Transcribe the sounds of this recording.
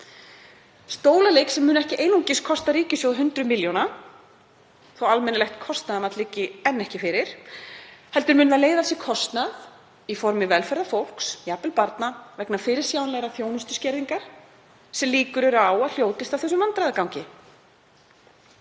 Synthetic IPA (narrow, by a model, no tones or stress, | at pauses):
st̪oːwlalejksɛmːʏːnɛhcɪʔejnucɪskʰɔst̪aɾiːcʏsjowðɦʏnt̪ɾʏmiljowna | θawalmɛnalɛhxt̪kʰɔst̪naðamat̪lɪcːɪɛnːɛhcɪfɪɾɪɾ̥ | hɛlt̪ʏɾmʏːnðaleːjðasɛkʰɔst̪nað | ifɔɾmɪvɛlfɛɾðafowl̥ksjapɪlpaɾt̪navɛknafɪɾɪɾ̥sjawnlɛɣɾaθjoːwnɪst̪ʏ̥scɛɾðiŋkaɾ̥ | sɛmliːkʏɾɛɾaːwaðljoːwt̪ɪst̪avfθɛs̬ːʏmvant̪ɾajðakawɲcɪ